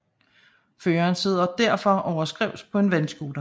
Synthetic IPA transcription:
føːɐːnse̝ð̞̰ˠɐd̥æɐ̰fɒ̽ʔɒʊɐsɡ̥ʁɛʊspʰɒ̽e̝nʋænsɡ̥uːd̥ɐ

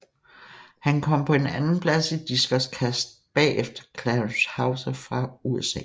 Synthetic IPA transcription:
hænkʰɒ̽m̰pʰɒ̽e̝nænn̩pʰlæsid̥isɡ̥ɐskʰæsd̥̚b̥ɛ̰ːʔefd̥ɐkʰlænshɑ̈ʊsɐfʁɑ̈uesɛ̰ː

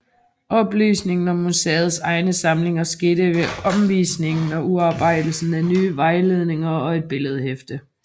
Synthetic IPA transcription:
ʔɒ̽b̥ly̰ːsne̝ŋn̩ɒ̽mːusḛːɐð̩ˠsɑ̈ɪnəsɑ̈mle̝ŋɐsɡ̥e̝ːɾ̥əʋe̝ɒ̽mʋḭːsne̝ŋn̩ɒuɑ̈ːb̥ɑ̈ɪ̰d̥l̩sn̩ænyːʋɑ̈ɪle̝ð̞ˠne̝ŋɐɒ̽e̝d̥̚b̥e̝ləð̞ˠhefd̥ə

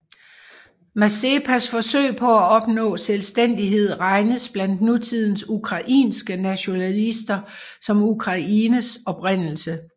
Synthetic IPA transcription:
mæsepʰæsfɒ̽sø̰ɪ̰pʰɒ̽æɒ̽b̥nɔ̰̽ːselsd̥en̰d̥iɦe̝ð̞̰ˠʁɑ̈ɪnəsb̥læn̰d̥nut͡sʰið̞̰ˠn̩sukʰʁɑ̈ʔḭːnsɡ̥ənæɕo̝nælisd̥ɐ | sɒ̽mukʰʁɑ̈ʔiːnəsɒ̽b̥ʁen̰l̩sə

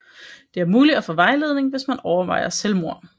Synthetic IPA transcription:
d̥e̝æɐmuːlid̥æfɔ̽ʋɑ̈ɪle̝ð̞ˠne̝ŋʋe̝smænɒʊɐʋɑ̈ɪ̰ɐselmo̝ɐ̰n

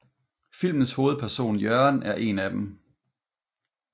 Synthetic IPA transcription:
fil̰mən̩sho̝ːð̞̩ˠpʰæɐso̝̰ːnjœɐnæɐʔe̝næd̥em

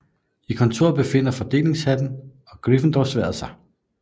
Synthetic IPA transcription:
ikʰɒ̽nt͡sʰo̝̰ɐb̥e̝fe̝n̰ɐfɒ̽d̥e̝̰ːle̝ŋshæd̥n̩ | ɒ̽ɡ̥ʁifn̩d̥ɒʊsʋæ̰ɐsɑ̈ɪ

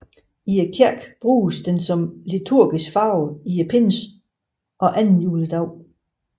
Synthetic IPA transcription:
iækʰeɐ̰ɡ̥b̥ʁṵːsd̥ensɒ̽mlit͡sʰuɐ̰ɡ̥isɡ̥fɑ̈ʊijæpʰens | ʔɒ̽ʔænn̩juːləd̥ɑ̈ʊ

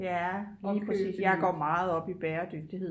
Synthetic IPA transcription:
jæliːpʰʁɛsḭːsjɑ̈ɪɡ̥ɒ̰ːmɑ̈ːð̩ˠɒ̽b̥ib̥ɛːɐd̥øɡ̥̚d̥ihe̝ð̰ˠ

